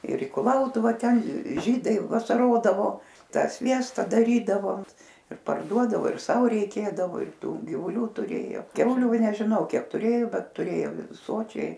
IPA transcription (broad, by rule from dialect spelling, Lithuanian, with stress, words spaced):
ɪr ɪ kʊˈlˠɐʊtʊʋɐ ˈtʲɛn ˈʒʲiːdɐɪ ʋɐsɐˈroːdɐʋoː ˈtɑː ˈsʲʋʲiɛstɐ dɐˈrʲiːdɐʋoː ɪr pɐrˈduɔdɐʋoː ɪr ˈsɐʊ rʲɛɪˈkʲeːdɐʋoː ɪr ˈtuː ɡʲɪʋʊˈlʲuː tʊˈrʲeːjoː ˈkʲɛʊlʲʊ nʲɛʒʲɪˈnɐʊ ˈkʲiɛk ˈtʊrʲeːjoː ˈbʲɛt tʊˈrʲeːjoːm ˈsoːt͡ʃʲɛɪ